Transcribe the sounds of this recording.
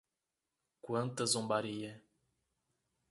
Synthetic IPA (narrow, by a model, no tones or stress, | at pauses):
kwɐ̃nt̪ɐzõmbaɾijɐ